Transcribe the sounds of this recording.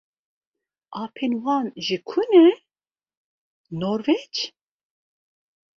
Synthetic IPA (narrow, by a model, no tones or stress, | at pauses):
ʔɑːpʰenwɑːnʒikʰunɛ | noɾvɛt͡ʃ